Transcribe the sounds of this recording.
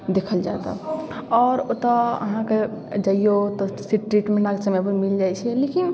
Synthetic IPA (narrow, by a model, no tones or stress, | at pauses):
d̪ekʰəld͡ʒat̪ɔ̰ɔːɾot̪ɔə̰ɦãked͡ʒəijot̪ɔsiʈɾiʈmenaɡsəmɛbəmild͡ʒajt͡ʃʰɛlekin